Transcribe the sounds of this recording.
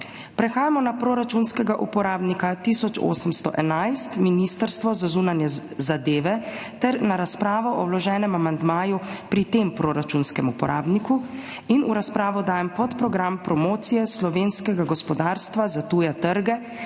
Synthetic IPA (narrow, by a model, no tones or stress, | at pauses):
pɾɛxaːjamɔnapɾoːɾat͡ʃunskɛɡaʔupɔɾaːbnikat̪iːsɔt͡ʃo̰ːsəmst̪ɔ̰ʔɛnajst̪minist̪əɾst̪ʋɔzazuːnanjɛzad̪eːʋɛ | t̪ɛɾnaɾaspɾaːʋɔʔɔwlɔʒɛːnɛmamand̪maːjupɾit̪empɾoːɾat͡ʃunskɛmupɔ̰ɾa̰ːbniku | inuɾaspɾaːʋɔd̪aːjɛmpɔt̪pɾɔɡɾampɾɔmoːt̪sijɛslɔʋenskɛɡaɡɔspɔd̪aːɾst̪ʋazat̪uːjat̪əɾɡɛ